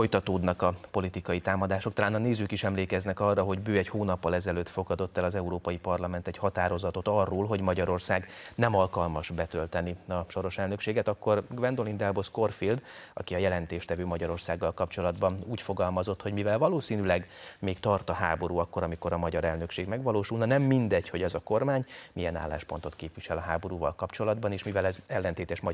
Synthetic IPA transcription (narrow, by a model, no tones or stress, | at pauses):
fo̞jt̪ɒt̪oːd̪nɒkɒpo̞lit̪ikɒjit̪aːmɒd̪aːʃo̞k̚t̪ɒlaːnɒneːzykiʃɛmleːkɛznɛkɒrːɒɦo̞ɟbøːɛɟhoːnɒpːɒlɛzɛløːt̪fo̞ɡɒd̪o̞t̪ːɛlɒzɛuɾoːpɒjipɒrlɒmɛnt̪ɛchɒt̪aːɾo̞zɒt̪o̞t̪ɒrːoːlɦo̞ɟmɒɟɒɾo̞rsaːɡnɛmɒlkɒlmɒʒbɛt̪ølt̪ɛniɒʃo̞ɾo̞ʃɛlnø̞kʃeːɡɛt̪ɒkːorɡvɛnd̪o̞lind̪ɛlbo̞sko̞rfild̪ɒ̰kiɒjɛlɛnt̪eːʃt̪ɛvøːmɒɟɒɾo̞rsaːɡːɒlkɒpt͡ʃo̞lɒd̪bɒnuːcfo̞ɡɒlmɒzo̞t̪ho̞ɟmivɛlvɒloːsiːnylɛɡmeːkt̪ɒrt̪ɒɦa̰ːbo̞ɾuːɒkːo̞ɾɒmiko̞ɾɒmɒɟɒɾɛlnø̞kʃeːɡmɛɡʋɒloːʃulnɒnɛmːind̪ɛɟho̞ɟɛzɒko̞rmaːɲmijɛna̰ːlːa̰ːʃpo̞nt̪o̞t̪keːpʋiʃɛlɒɦaːbo̞ɾuːvɒ̰lkɒpt͡ʃo̞lɒd̪bɒneːʃmivɛlɛzɛlːɛnt̪eːt̪ɛʃmɒ